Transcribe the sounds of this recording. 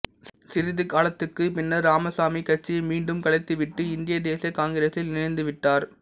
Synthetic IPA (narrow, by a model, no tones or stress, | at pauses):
sɪɾɪðɯkaːlɐt̪ːɯkːɯpɪnːɐɾaːmɐsaːmikɐʈ̚t͡ʃːimiːɳɖɯmkɐɭɐɪt̪ːɯʋɪʈːɯɪnd̪ɪjɐd̪eːsijɐkaːŋɡɪɾeːsɪlnɪnɐɪnd̪ɯʋɪʈːaːɾ